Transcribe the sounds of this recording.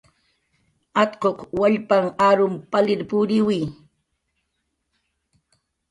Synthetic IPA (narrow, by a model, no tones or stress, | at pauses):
at̪qoqwaʎpaŋaɾʊmpalɪɾpʊɾɪwij